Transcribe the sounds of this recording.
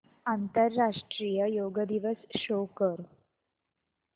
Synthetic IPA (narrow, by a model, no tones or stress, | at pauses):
ant̪əɾːaʂʈɾijəjoɡəd̪iʋəsɕokəɾ